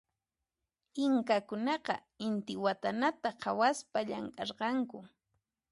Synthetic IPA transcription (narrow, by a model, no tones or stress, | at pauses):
ɪŋkakʊnɑqɑ̰ | ɪnt̪ɪwat̪anat̪aqʰawaspaʎaŋkʼɑɾqɑŋkʊ